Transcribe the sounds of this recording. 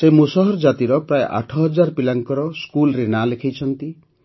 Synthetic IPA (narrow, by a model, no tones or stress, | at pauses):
semusɔɦɔɾd͡ʒat̪iɾɔpɾaeʔa̰ʈʰɔɦɔd͡ʒaɾpilaŋkɔɾɔskulɾenalekʰajt͡ʃʰɔnt̪i